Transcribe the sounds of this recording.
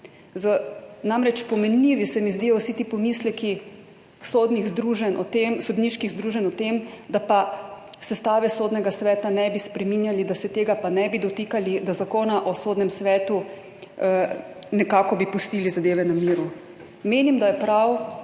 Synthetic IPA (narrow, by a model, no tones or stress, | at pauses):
zənamɾɛt͡ʃpɔmɛnliʋisɛmizd̪iːɔwsit̪ipɔmislɛki | sod̪niɣzd̪ɾuʒɛnɔt̪emsɔd̪niʃkiɣzd̪ɾuːʒɛnɔt̪emd̪apasɛst̪aːʋɛsoːd̪nɛɡasʋɛːt̪anɛbispɾɛminjalid̪asɛt̪eːɡapanɛbid̪ɔt̪ikalid̪azakoːnaʔɔsoːd̪nɛmsʋɛːt̪u | nɛkaːkɔbipust̪iːlizad̪eːʋɛnamiːɾu | meːnimd̪ajɛpɾaw